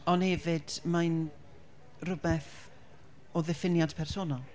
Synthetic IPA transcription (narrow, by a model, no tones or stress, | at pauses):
ɔnhɛvɨd̥man | rʊbɛθ | ɔðɛfɪnjad̥pʰɛrsoːnalˠ